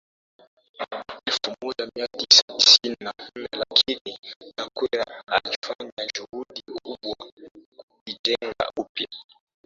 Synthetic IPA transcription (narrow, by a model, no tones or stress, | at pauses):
ifumuzamiatisati̥sininan̩nɛlakʰininakwɛɾaalifaɲad͡ʒuhuɗiuɓwakukid͡ʒɛŋɡa̰ʔupja